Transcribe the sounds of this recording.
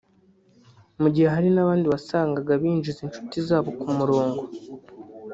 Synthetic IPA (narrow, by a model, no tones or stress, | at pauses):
muɟiheɦaɾinaβaːndiβasaːŋɡaɡaβiːnʒizint͡ʃu̥tizaːβo̞kumuɾoːŋɡo